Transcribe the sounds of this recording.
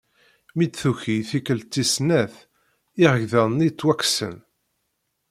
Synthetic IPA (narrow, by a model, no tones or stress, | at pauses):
mid̪θuçiθikəlt͡s̪ːisnæθ | iʁəʝðæðnit͡sːwæksə̰n